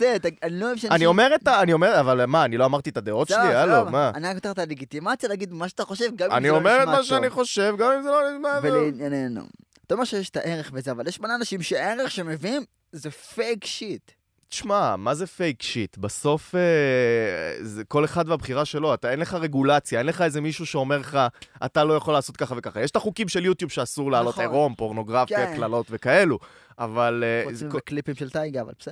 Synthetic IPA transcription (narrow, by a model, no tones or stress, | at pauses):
zet̪aaniloivʃaanio̞me̞ʁet̪aːnio̞meʁavalmaːnilo̞amaʁt̪iet̪ad̪eo̞tʃelialomaanikoteχet̪aleɡit̪imat͡sjalaɡid̪maʃeat̪aχo̞ʃe̞vɡamia̰niomeʁetmaʃ̬eaniχo̞ʃe̞vɡamimzelonidmaveleinjanenṵ | t̪aomeʃejeʃe̥t̪aʔe̞ʁeχvezeavaljeʃmoneanaʃimʃeae̞ʁeχʃe̞meviim | zefejkʃit̪ | ti̥ʃmamaze̞fejkʃit̪baso̞fe | zeko̞le̞χad̪mabχiʁaʃe̞lo̞at̪aenle̞χaʁe̞ɡulat͡sjae̞nle̞χaezemiʃuʃe̞o̞me̞ʁleχaʔa̰t̪alo̞jaχo̞lːaːso̞t̪̚kaχave̞kaχajeʃt̪aχukimʃeljut̪jubʃeasuʁlaːlo̞eʁo̞mpo̞ʁno̞ɡʁafjaklalo̞t̪ve̞kae̞lu | avalekklipimʃelt̪ajɡava̰lb